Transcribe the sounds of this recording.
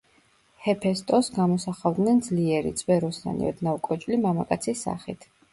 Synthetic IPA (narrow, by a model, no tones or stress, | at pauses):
hɛpʰɛst̪ʼɔsɡamɔsaχavd̪nɛnd̪zliɛɾḭt̪sʼvɛɾɔsa̰nḭɔ̰d̪naukʼɔt͡ʃʼlimamakʼat̪sʰisːa̰χḭt̪ʰ